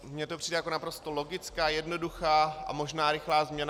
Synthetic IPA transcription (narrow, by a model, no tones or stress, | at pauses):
mɲɛt̪opr̥iːdɛjako̞napɾo̞st̪olo̞ɡɪt͡skaːjɛdno̞duxaːʔa̰mo̞ʒnaːɾɪxlaːzmɲɛna